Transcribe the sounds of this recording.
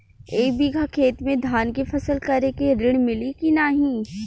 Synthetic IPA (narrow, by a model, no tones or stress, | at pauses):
eːkbiɡʱakʰeːt̪mẽd̪ʱaːnkefʰɐsəlkɐɾekeɾɪɽ̃mɪlikinaːɦĩː